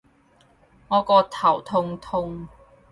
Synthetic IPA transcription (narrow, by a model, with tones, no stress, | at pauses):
ŋɔː˨˧kɔː˧t̪ʰɐ˨˩wt̪ʰʊ˧ŋt̪ʰʊ˧ŋ